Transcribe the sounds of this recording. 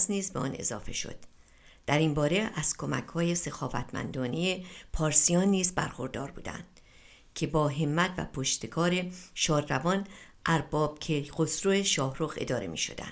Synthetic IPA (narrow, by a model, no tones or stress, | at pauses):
sniːzbeɒ̰ːne̞̰zɒ̰ːfe̞̰ʃo̰d̪̥ | d̪̥æɾimbɒːɾe̞ʔæz̥kʰo̞mæ̰kʰhɒːje̞se̞xɒːvæ̰t̪ʰmæ̰nd̪ɒːnejepʰɒːɾsijɒːnːiːzbæ̰ɾxo̞ɾd̪ɒːɾbuːd̪æ̰nd̪̥ | cʲʰe̞bɒːɦe̞mːæt̪ʰvæ̰pʰoʃt̪ekʰɒːɾe̞ʃɒːɾːævɒːn | ʔæɾbɒːb̥̚kʰeɢosɾoeʃɒːhɾoxe̞̰d̪ɒːɾe̞̰mḭːʃo̞̰d̪æ̰nd̪̥